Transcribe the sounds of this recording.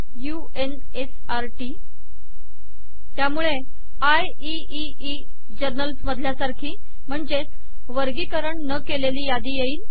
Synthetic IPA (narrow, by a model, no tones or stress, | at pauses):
ju | en | es | aɾʈiː | t̪jamuɭe | aj | i | i | i | d͡ʑəɾnəlsməd̪ʱljasaɾkʰiː | m̤əɳd͡ʑet͡s | ʋəɾɡiːkəɾəɳnəkeleliːjad̪iːjeiːl